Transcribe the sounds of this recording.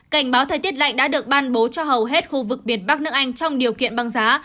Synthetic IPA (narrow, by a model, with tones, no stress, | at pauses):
ka˧˩jŋ̟ɓaː˨˦wt̪ʰə˨˩t̪i˦˥ət̚la̰˧˨jɗaː˧˥ɗɨ˨˩ək̚ɓaː˧nɓo˨˦t͡ɕɔ˧ɦə˨˩wɦe˦˥t̚xu˧vɨ˨˩k̚ɓi˨˩ənɓa˦˥k̚nɨ˦˥ək̚ʔa˧jŋ̟t͡ɕɔ˧wŋ͡mɗi˨˩əwkḭ˧˨ənɓa˧˩ŋzaː˨˦